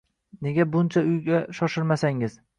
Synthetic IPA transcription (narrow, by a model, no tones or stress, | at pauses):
ne̞ɡʲabʊnt͡ʃʰaʊjɡʲaʃɒʃɪɾmasaŋɪz̥